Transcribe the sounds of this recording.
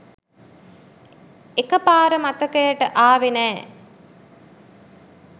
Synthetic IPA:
ekəpaːɾəmat̪əkəjəʈəʔaːʋenɛː

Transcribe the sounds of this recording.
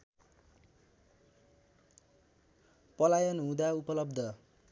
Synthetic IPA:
pʌlajʌnɦũd̪aupʌlʌbd̪ʱʌ

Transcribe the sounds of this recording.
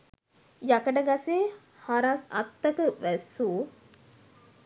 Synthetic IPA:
jakəʈəɡaseː | haɾasɐ̰t̪ːɐkəʋæsuː

